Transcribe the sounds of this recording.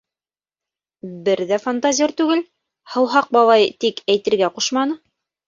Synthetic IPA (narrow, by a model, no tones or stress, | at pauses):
bɘɾðæfant̪azʲioɾt̪ʉɡɘl | hɤ̆wɦɑq̚bɑlˠɑjt̪ikæjt̪ɘ̆ɾɡæquʃmɑnɤ